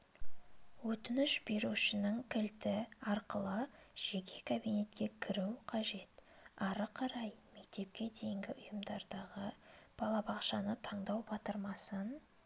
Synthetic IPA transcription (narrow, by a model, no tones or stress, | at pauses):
wɵt̪ɪnɪʃbe̞ɾuʃɪnəŋkʲʰɪlt̪ɪɑɾqəlˠəʒ̥e̞kʲʰe̞kʰabijne̞t̪kʲe̞kʲʰɪɾuwqʰɑʒe̞t̪ɑɾəqʰɑɾɑjme̞k̚t̪e̞p̚kʲe̞d̪e̞jɪŋɡʲɪʔʊjəmd̪ɑɾd̪ɑʁəb̥ɑlˠɑbɑqʃɑnət̪ʰɑɴd̪ɑwbɑt̪əɾmɑsən